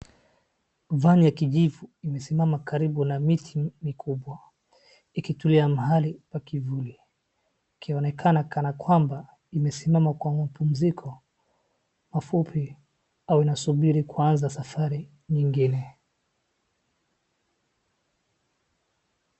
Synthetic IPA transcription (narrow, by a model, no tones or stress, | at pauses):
vanijakiʄivuimɛsimamakaɾiɓunamitʰimikʰuɓwa | ikituliamahalipwakivuli | kʰiɔnɛkʰanakanakwamba | imɛsimamakwamapum̩zikʰɔ | mafupʰi | awinasuɓiɾikuanzasafaɾi | ɲiŋɡinɛ